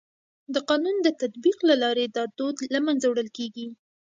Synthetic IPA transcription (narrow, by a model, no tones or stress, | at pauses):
d̪əqɑnund̪ət̪at̪biqlalɑɾed̪ɑd̪od̪lamanzawɽəlkeɡi